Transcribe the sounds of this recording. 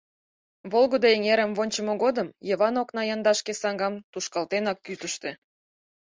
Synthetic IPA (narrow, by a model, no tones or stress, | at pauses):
βolɣod̪oeŋeɾəmβonʲt͡ɕəmoɣod̪əmjəβɑnoknɑjɑnd̪ɑʃkesɑŋɡɑmt̪uʃkɑlt̪enɑkːyt̪əʃt̪ĕ